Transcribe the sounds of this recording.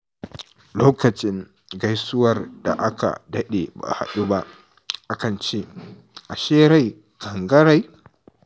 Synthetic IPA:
loː˦kɐ˨t͡ʃʼɪ˦ŋ | ɡa˦jsʊ˦wɐ˦˨rda̰˨ʔa˦ka̰˨dɐ˦ɗe˨ba̰˨ha̰˨ɗu˦ba˦ʔ | ʔa˦kɐ˨nt͡ʃeː˦ | ʔa˨ʃeː˦ɾa˦˨j | kʼɐ˨ŋɡɐ˦ɾa˨j

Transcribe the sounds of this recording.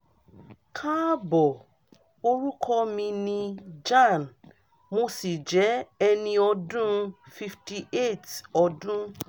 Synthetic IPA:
kʰã˦bɔ˨ | o˧ɾu˦kʰɔ˦mĩ˧nĩ˧d͡ʒã˦˨n | mo˧˦si˦˨d͡ʒɛ˨˦ɛ˧nĩ˧ɔ˧dũ˦fi˧fti˧ʔe˦˨tɔ˧dũ˦

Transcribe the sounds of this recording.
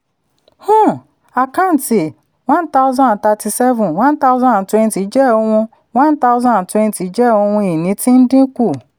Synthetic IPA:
hũ˦ | a˨kã˦n̩˨ti˨ | wã˦n˦ta˦ʊ˦zã˦n˨ta˧ti˨sɛ˦vũ˨nwã˦n̩˦ta˦ʊ˦zã˦˨twɛ̃˦n˨ti˨˦d͡ʒɛ˦˨o˦ŋʷũ˧ | wã˦n˦ta˦ʊ˦zã˦˨twɛ̃˦n˦ti˨˦d͡ʒɛ˦o˦ŋʷũ˦i˨nĩ˨˦ti˦n̩˦dĩ˦kʷu˦˨

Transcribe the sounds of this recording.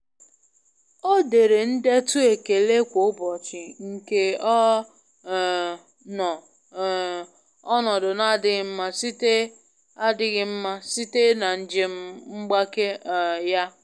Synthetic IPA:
o˦de˨ɾe˨n̩˦de˦tʊ˦e˨ke˨le˦kʷo˨˦bɔ˨t͡ʃɪ˨ŋ̩˨ke˨˦˨ | nɔ˨ | ɔ˦nɔ˨dʊ˨na˦dɪ˦ɣɪ˦m̩˦ma˦si˦te˦ | a˦dɪ˦ɣɪ˦m̩˦ma˦si˦te˦na˨n̩˦d͡ʒe˨m̩˦ŋ͡m̩˦ɡ͡ba˦ke˦˨ja˦

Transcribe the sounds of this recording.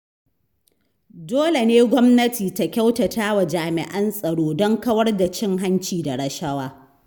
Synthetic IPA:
doː˦le˨neː˦ɡʷɔ˦mnɐ˦tiː˨ta˦kʲa˦wtɐ˨taː˦wa˨d͡ʒaː˨mɪ̰˨ʔɐ˦nsʼɐ˨ɽoː˦dɔ˦ŋkɐ˦wɐ˦rda˨t͡ʃɪ˦ŋɦa˦nt͡ʃiː˨da˨ɽɐ˦ʃɐ˦waː˦

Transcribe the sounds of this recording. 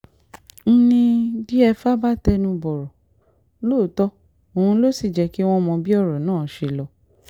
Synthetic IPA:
n̩˦nĩ˧di˦ɛ˧fa˦ba˦tɛ˧nũ˧bɔ˨ɾɔ˨˦ | loː˦˨˦tɔ˦ | o˨hũ˧lo˦si˦˨d͡ʒɛ˧ki˦w̃ɔ̃˦mɔ̃˧bi˦ɔ˦˨ɾɔ˨nãː˦˨˦ʃe˧lɔ˧

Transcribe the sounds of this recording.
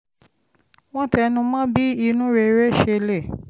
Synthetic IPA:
w̃ɔ̃˦tɛ˧nũ˧mã˦bi˦i˧nũ˦ɾe˧˦ɾe˦˨ʃe˧le˦˨

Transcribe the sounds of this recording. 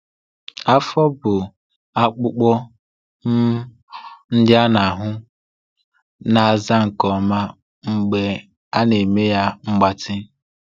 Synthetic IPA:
a˦fɔ˦bʊ˨ | a˦k͡pʊ˦k͡pɔ˦ | n̩˦dɪ˦a˦na˨a˨ɦʊ˦ | na˨a˨za˦ŋ̩˨kɔ˨ma˦ | ŋ͡m̩˦ɡ͡be˦ | a˦ne˨me˦ja˦ŋ͡m̩˦ɡ͡ba˦tɪ˦

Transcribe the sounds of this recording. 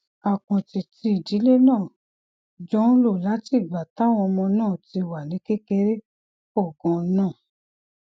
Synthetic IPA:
a˨kɔ̃˨ti˨ti˧i˨di˨˦le˦nãː˦˨ | d͡ʒɔ˦n̩˦lo˦˨la˨˦ti˦˨ɡ͡ba˨ta˨˦˨w̃ɔ̃˧mɔ̃˧nãː˦˨ti˧wa˨nĩ˨˦ke˦ke˧ɾe˦ | ɔ˦˨ɡɔ̃˨˧˦nãː˦˨

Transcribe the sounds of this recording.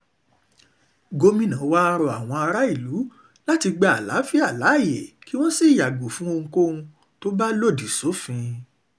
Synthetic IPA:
ɡo˧mĩ˦nã˨˦˧wa˦˧ɾɔ˧a˨w̃ɔ̃˧a˧ɾa˦i˦˨lu˨˦ | la˦ti˧ɡ͡ba˧˦a̰˨la̰˨˦fi˦a˦˨la˨˦˨je˨ki˦w̃ɔ̃˦si˦˨ja˨ɡo˨fũ˨˦o˧ŋ̩˧ko˦ũ˧ | to˦ba˦lo˦˨di˨so˨˦fĩ˧

